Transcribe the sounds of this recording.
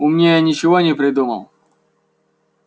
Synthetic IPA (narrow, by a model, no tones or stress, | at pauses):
ʊmnʲejanʲɪt͡ɕɪvonʲɪpɾʲɪd̪umə̰lˠ